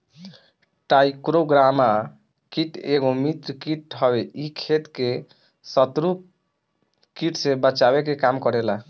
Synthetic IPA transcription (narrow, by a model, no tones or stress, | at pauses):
ʈajkɾoɡɾama | kiʈeɡomit̪ɾəkiʈɦɔbeikʰet̪ke | sət̪ɾu | kiʈsẽbət͡ʃabekekamkɔɾela